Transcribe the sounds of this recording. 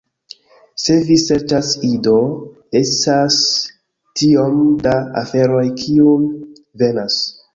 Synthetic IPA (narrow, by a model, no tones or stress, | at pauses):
se̞vise̞ɾt͡ʃasido̞ | estas | tio̞mdaa̰fe̞ɾo̞jkʰium | ve̞nas